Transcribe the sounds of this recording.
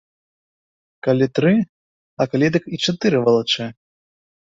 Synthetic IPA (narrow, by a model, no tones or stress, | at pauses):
kalʲit̪ɾɨ | ɐkalʲid̪ɨkit͡ʂat̪ɨɾɨvɐlˠat͡ʂɛ